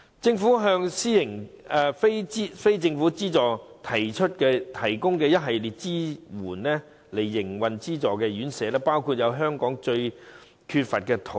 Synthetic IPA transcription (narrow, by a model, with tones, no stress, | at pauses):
t͡sɪ˧ŋfu˨˥ɦœː˧ŋsiː˥jɪ˨˩ŋɛː˨fe˥t͡siː˥fe˥jt͡sɪ˧ŋfuː˨˥t͡siː˥t͡sɔː˨t̪ʰɐ˨˩jt͡ʃʰɵ˥t̚kɛː˧t̪ʰɐ˨˩jkʊ˥ŋkɛː˧jɐ˥t̚ɦɐ˨jliː˨t̚t͡siː˥wuː˨˩nlɛː˥ | le˨˩jːɪ˨˩ŋwɐ˨nt͡siː˥t͡sɔː˨˩kɛː˧jyː˨˥nsɛː˨˥lɛː˥paː˥wkʰuː˧t̚jɐ˨˧wɦœː˥ŋkɔː˨˥ŋt͡ʃɵ˧ɥ | kʰyː˧t̚fɐ˨t̚kɛː˧t̪ʰo˨